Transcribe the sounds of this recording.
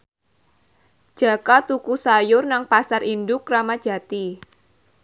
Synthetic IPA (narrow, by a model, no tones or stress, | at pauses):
d̥ʒ̥a̤kat̪ukusajʊrnaŋpasarindʊkramad̥ʒ̥a̤t̪i